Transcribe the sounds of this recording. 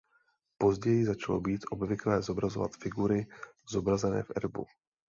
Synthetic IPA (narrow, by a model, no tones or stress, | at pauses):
po̞zɟɛjɪzat͡ʃalo̞̰biːt̪ʔo̞bvɪklɛːzo̞bɾazo̞va̰t̪fɪɡuɾɪ | z̥o̞bɾazɛnɛ̰ːfʔɛ̰ɾbṵ